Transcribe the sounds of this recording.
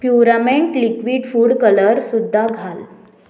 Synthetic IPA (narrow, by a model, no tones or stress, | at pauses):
pjuɾameɳʈlikʋiːɽfuːɽkələɾsud̪ʱːaɡʱal